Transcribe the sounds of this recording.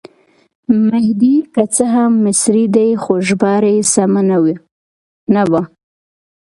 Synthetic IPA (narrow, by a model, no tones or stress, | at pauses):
mɪhd̪ikat͡səɦamːɪsɾid̪ajxoʒbɑɾajsamanawi | nawa